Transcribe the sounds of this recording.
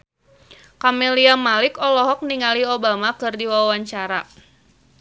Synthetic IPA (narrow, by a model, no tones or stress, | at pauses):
kamɛliamalɪkɔlɔɦɔk̚niŋaliobamakɨrdiwawaɲt͡ʃaɾa